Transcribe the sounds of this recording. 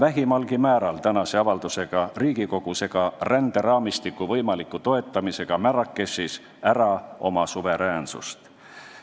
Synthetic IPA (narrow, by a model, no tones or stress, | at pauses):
væɦimɑlɡ̥imæːɾɑlt̪ænɑse̞ɑvɑld̪use̞ɡ̥ɑriːɡ̥iko̞ɡ̥use̞ɡ̥ɑrænd̪̥e̞ɾɑːmist̪ikːˑuvɤjmɑlikːˑut̪o̞e̞t̪ˑːɑmise̞ɡ̥ɑmæɾɑkːˑe̞sːis | æɾɑo̞mɑsuve̞ɾæːnsṵst̪